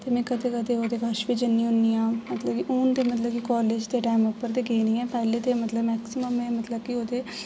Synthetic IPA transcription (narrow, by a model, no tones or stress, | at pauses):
t̪eːmɛ̃ːkəd̪eːkəd̪eːoːd̪eːɡəʃʋiːd͡ʒənːĩːɦʊniːãːmət̪ləbkiʔuːnd̪eːmət̪ləbkikɔːleːd͡ʒt̪eːʈaːmopːəɾd̪eːɡeːnĩːɛ̃ːpɛːleːt̪eːmət̪ləbmɛːksɪməmɛ̃ːmət̪ləbkɪoːd̪eː